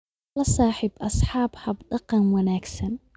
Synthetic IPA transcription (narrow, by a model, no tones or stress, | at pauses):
lasˤɑːħɪbʔɑsˤħɑːbhabd̪ɑqːɑnwanaːksan